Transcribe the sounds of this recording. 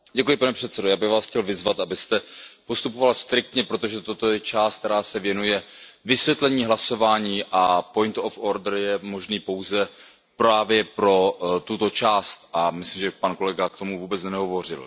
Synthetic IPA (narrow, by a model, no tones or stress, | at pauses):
ɟɛkujɪpanɛpr̝̥ɛt̪sɛdojaːbɪɣvaːsxcɛlvɪzvat̪ʔabɪst̪ɛpo̞st̪upovalst̪ɾɪk̚t̪ɲɛpɾo̞t̪̬o̞ʒɛt̪ot̪o̞jɛt͡ʃaːst̪̚t̪ɛɾaːsɛvjɛnujɛvɪsvjɛt̪lɛɲiːɦlaso̞vaːɲiːʔapo̞jnt̪ofoɾdrjɛmo̞ʒniːpo̞wzɛ | pɾaːvjɛpɾo̞t̪ut̪o̞t͡ʃaːst̪ʔamɪslimʒɛpanko̞lɛɡak̚t̪o̞muvuːbɛt͡snnɛɦo̞vo̞r̝ɪ̰l